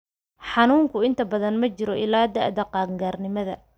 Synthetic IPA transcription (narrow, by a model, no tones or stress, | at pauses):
ħɑnuːŋkʰʊɪnt̪ʰɐbɐðɐnmɐt͡ʃɪɾɔʔɪlaːd̪ɐ̰ʕd̪ɐqɑːɡaːrnɪmɐðɐ̰